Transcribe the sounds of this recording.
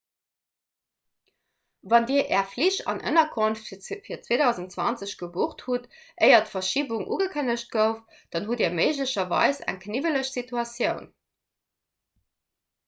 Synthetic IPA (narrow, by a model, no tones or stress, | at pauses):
vɑndiːɐʔɛːɐfliɕɑ̰nʔə̰nɐkʰonffiːɐt͡sweːdɑʊzən̩tt͡swɑnt͡səɕɡ̥əbuχthutʔəɪɐtfɐʃiːbuŋʔṵːɡəkʰənəɕt̚ɡ̥əʊf | d̥ɑnɦudiːɐməɪʑləɕɐvɑ̰ɪsæ̰ŋkʰnivələɕsitʰuɑsjəʊn